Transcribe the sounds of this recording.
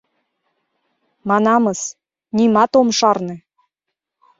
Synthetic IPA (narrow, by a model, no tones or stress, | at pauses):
mɑnɑmɤs | nimɑt̪omʃɑrnĕ